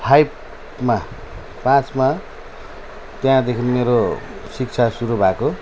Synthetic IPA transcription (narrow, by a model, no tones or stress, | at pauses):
hajp | ma | pãt͡sma | t̪jãd̪ekʰinmeɾosik̚t͡sʰasuɾubʱako